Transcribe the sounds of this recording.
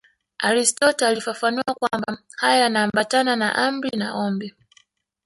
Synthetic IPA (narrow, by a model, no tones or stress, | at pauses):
aɾistɔtɔalifafanuwakwamba | hajanaːmbatanana̰ʔambɾinaʔɔmbɛ